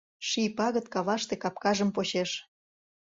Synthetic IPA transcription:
ʃipɑɣət̪kɑβɑʃt̪ekɑpkɑʒəmpoɕeʃ

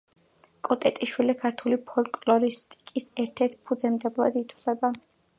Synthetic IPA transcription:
kʼɔt̪ʼɛt̪ʼiʃwilikʰaɾt̪ʰulipʰɔlkʼlɔɾist̪ʼi̥kʼisɛɾt̪ʰɛɾt̪ʰpʰud̪zɛmd̪ɛblˠa̰d̪it̪ʰwlɛba

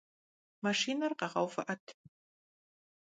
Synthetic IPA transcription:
maʂiːnɐrqɑʁɐ̰wfɐ̰ʔɐtʰ

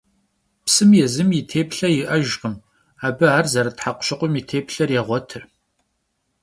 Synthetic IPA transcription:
psɨmjɛzɨmjɪtʰeːpɬɐjɪʔɐʒqəm | aːbɨaːrzɐɾɐtħaqʷʊ̥ɕɪqʷʼʊmitʰeːpɬɐrjɛʁʷɔtʰɨr

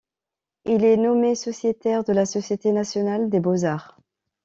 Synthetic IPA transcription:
ilɛnɔmesɔsjet̪ɛʁd̪əlasɔsjet̪enasjɔnald̪ebozaʁ

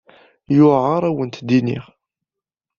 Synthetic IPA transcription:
jʊʕəɾˤæwənt̪d̪inḭʁ

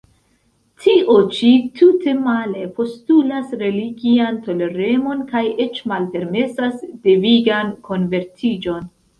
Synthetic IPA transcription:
tʰiʔo̞t͡ʃitute̞male̞po̞stulasɾe̞liɡianto̞leɾe̞mo̞nkaje̞t͡ʃmalpe̞ɾme̞sasde̞viɡankʰo̞nve̞ɾtʰid͡ʒo̞n

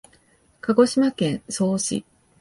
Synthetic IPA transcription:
kaɡo̞ɕimakẽ̞ɰ̃so̞ːɕḭ

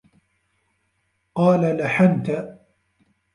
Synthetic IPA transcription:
qɑːlalaħant̪a

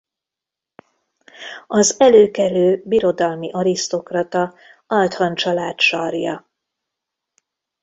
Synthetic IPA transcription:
ɒzɛløːkɛløːbiɾo̞d̪ɒlmiʔɒɾist̪o̞krɒt̪ɒ | ɒlt̪hɒnt͡ʃɒlaːt̪ʃɒrjɒ

